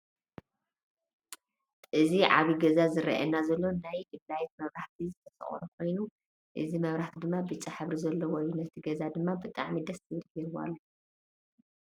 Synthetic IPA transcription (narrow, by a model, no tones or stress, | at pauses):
ʔɨziʕaβiɡɐzazɨɾɐ̰ʔɐ̰nːazɐlːo̞najdɨblajt̪̚mɐβɾaħt̪ʰizɨt̪ʰɐsɐ̰χʼo̰ɾɐkʰo̞jnu | ʔɨzimɐβɾaħt̪ʰid̪ɨmːabɨt͡sʼaħɨβɾizɐlːowɔjunɐt̪ʰiɡɐzad̪ɨmːabɨt̪ʼa̰ʕmid̪ɐst̪ʰɨβɨlkɛɾɨwa̰lːo